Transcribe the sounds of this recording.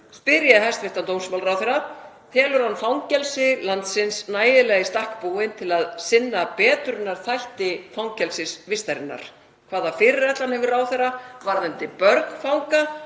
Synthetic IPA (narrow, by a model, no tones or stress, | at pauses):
spɪɾjaɦajst̪vɪht̪ant̪owmsmalɾawθɛɾa | θʰɛːlʏɾhanːfawŋcɛlsɪlant̪sɪnsnaːjɪlɛɣɪst̪ahkpuːwɪnt̪ʰɪlaðsɪnːapɛːt̪ʏɾɪnːaɾ̥θajht̪ɪfawŋcɛlsɪsvɪst̪ajɾɪnːa̰ɾ̥ | kʰvaːðafɪɾɪɾɛt̪lanhɛvɪraːwθɛravaɾðɪnt̪ɪpœɾkn̥fawŋka